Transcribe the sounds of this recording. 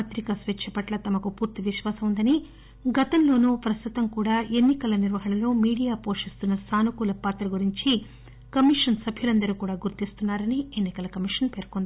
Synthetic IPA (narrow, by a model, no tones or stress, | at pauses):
ɐt̪ɾikɐsʋet͡ʃʰːɐpɐʈlɐt̪ɐmɐkupuːɾt̪iʋiʃʋaːsɐmund̪ɐni | ɡɐt̪ɐnlo̞ːnuːpɾɐst̪ut̪ɐmkuːɽaːʔe̞nːikɐlɐniɾʋɐɦɐɳɐlo̞ːmiːɽijaːpo̞ːʂist̪unːɐsaːnukuːlɐpaːt̪ɾɐɡuɾiɲt͡ʃi | kɐmiʂɐnsɐbʱjulɐnd̪ɐɾukuːɽaːɡuɾt̪ist̪unːaːɾɐnie̞nːikɐlɐkɐmiʂɐnpe̞ːɾkond̪ii